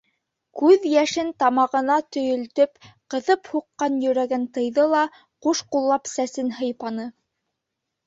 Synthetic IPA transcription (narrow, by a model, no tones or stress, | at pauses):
kʉðjæʃɘnt̪ɑmɑʁɤ̆nɑt̪ɵ̆jɵ̆lt̪ɵpqɤ̆ðɤphuqːɑnjɵ̆ɾæɡænt̪ɤ̆jðɤlˠɑ | quʃqulˠːɑpsæsɘnhɤ̆jpɑnɤ